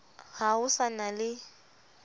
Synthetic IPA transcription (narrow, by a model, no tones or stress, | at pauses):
ɣaʊsanalɪ